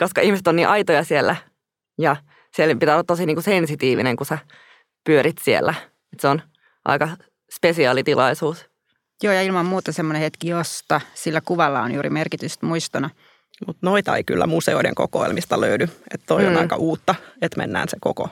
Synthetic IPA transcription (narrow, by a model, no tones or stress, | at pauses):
koskɑihmiset̪oniːʔɑit̪ojɑsielːæ | jɑ | sielpit̪ælːɑt̪tosiniːŋkusensit̪iːʋḭneŋkusæ | pyøɾit̪siḛlːæ | et̪seon | ʔɑ̰ikɑ | spesiɑːlit̪ilɑisuːs | joːjɑilmɑmmuːt̪ɑsemːonehet̪kijost̪ɑsilːækuʋɑlːɑo̰njuːɾḭmerkit̪yst̪muist̪ɑnɑ | mut̪noit̪ɑḛiky̰lːæmuseoidḛŋkokoelmist̪ɑløydyet̪t̪oionɑikɑʔuːt̪ːɑet̪mḛnːæ̰ːnsekoko̰